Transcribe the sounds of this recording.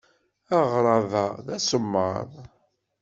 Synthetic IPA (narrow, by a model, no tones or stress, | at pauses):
aʁɾˤɑðɑðæsəmːə̰ðˤ